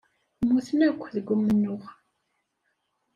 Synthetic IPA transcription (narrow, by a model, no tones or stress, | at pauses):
mːuθənækʷːðəɡʷːʊmːənːʊʁ